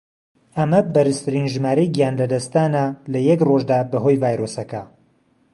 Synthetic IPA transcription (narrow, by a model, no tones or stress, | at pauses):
ɐmɐbɐɾɨst̪ʰɨɾiːnʒɨmaːɾɐjɡijaːnlɐd̪ɐst̪aːnɐlɐjɛkroʒd̪aːbɐɦojvaːjɾosɐkɐ